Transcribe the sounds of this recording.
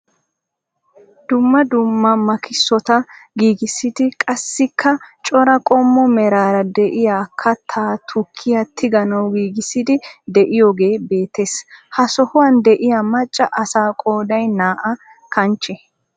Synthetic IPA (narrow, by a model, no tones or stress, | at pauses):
d̪ʊmːɐd̪ʊmːɐmɐkɪsːɔt̪ɐɡiːɡɪsːɪd̪ɪkʼɐsːɪkʰːɐt͡ʃʼɔɾɐkʼɔmːɔmɛɾaːɾɐd̪ɛʔɪjaːkʰːɐt̪ʰːaːt̪ʰʊkʰːɪjɐt̪ʰːɪɡɐnɐwɡiːɡɪsːɪd̪ɪd̪ɛʔɪjoːɡe̞ːbeːt̪ːeːshɐsɔhʊwɐnd̪ɛʔɪjɐmɐt͡ʃʼːɐʔɐsaːkʼoːd̪ɐjnaːʔɐ | kʰɐnt͡ʃːɛ